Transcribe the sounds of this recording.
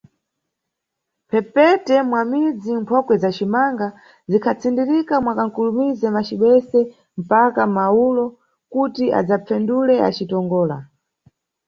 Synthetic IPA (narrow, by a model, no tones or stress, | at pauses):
pʰɛpɛtɛmwamid͡zimpʰɔkwɛzat͡ʃimaŋɡa | zikʰat͡sʰindiɾikamwakaŋ̩kulumizɛmat͡ʃiɓɛsɛ | m̩pakamaulɔ | kutia̰d͡zap͡fɛndulɛa̰t͡ʃitɔŋɡɔːla̰